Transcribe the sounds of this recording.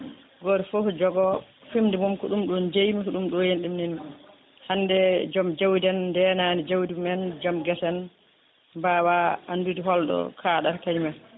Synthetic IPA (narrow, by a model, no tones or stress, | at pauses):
ɡɔɾɛfofd͡ʒɔɡɔ | fimdimumkɔɗumɗund͡ʒejmikɔɗumɗɔjenɗimninu | handɛd͡ʒɔmd͡ʒawdɛndɛnanid͡ʒawdimɛnd͡ʒɔmɡɛsɛn | bawaandudiɦɔlɗɔ̰kʰaːɗaɾkaɲima